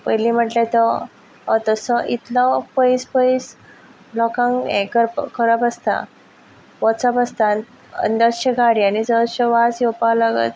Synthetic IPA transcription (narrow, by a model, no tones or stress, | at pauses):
pəjlĩm̤əʈlat̪ɔ | ɔt̪əsɔʔit̪lɔpəispəis | lɔkãŋɡɛ̰̃kəɾkʰəɾapəst̪a̰ | ʋɔt͡sapəst̪a | ə̰nd̪əɕəɡʱaɽianid͡zəɕəʋasjɔpalaɡə̰t̪̚